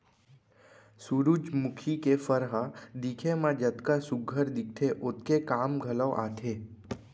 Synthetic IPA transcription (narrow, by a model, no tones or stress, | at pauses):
suɾud͡ʒmukʰikefəɾɦad̪ikʰemãd͡ʒət̪kasʊɡʱəɾd̪ɪk̚ʈ̪ʰeʔot̪̚kekaːmɡʱələʋʔa̰ːt̪ʰe